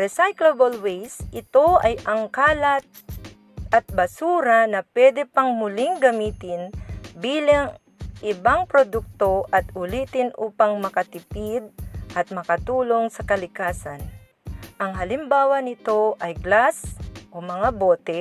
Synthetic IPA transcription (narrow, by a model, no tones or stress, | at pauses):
ɾɛsajklobolwɛjsʔɪt̪o̞ʔɐjɐŋkaːlɐt̪̚ | ʔɐt̪̚bɐsuːɾɐnɐpwɛd̪ɛpɐŋmʊlɪŋɡɐmiːt̪ɪnbiːlaŋ | ʔɪbaŋpɾod̪uk̚t̪o̞ʔɐt̪ʊliːt̪ɪnʔuːpaŋmɐkɐt̪ɪpid̪̚ʔɐt̪̚mɐkɐt̪uːlo̞ŋsɐkɐlɪkaːsan | ʔɐŋɦɐlɪmbaːwɐnɪt̪o̞ʔɐjɡlasʔomɐŋaboːt̪ɛ